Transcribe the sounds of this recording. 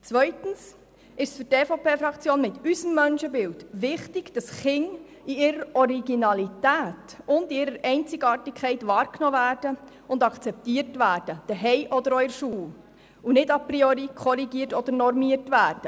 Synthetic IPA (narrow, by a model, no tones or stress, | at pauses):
t͡sʋœʏtn̩s | ɪʃsfʏɾteːfopʰeːfɾɑkt͡sjoːnmɪtysəmːœnʃəbɪltʋɪχtɪɡ̥d̥ɑsχɪŋ | iɪɾəɾɔɾiɡinɑlitæːtʊndiɪɾəɾɛɪnt͡sɪɡɑːɾtɪkʰχɛɪtʋɑːɾknɔːvæːɾd̥ə | ʊndɑkʰt͡sɛp̚tiːɾtʋæːɾd̥əd̥əɦɛjʔɔdəɾɔjəɾʃuː | unɪdɑpɾioɾikʰχɔɾiɡiːɾtɔd̥̪əɾnɔɾmiːəɾtʋæːɾd̥ə